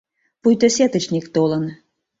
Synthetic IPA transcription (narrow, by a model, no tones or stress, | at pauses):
pujt̪ə̆sʲet̪ə̆t͡ɕnʲikt̪olɤ̆n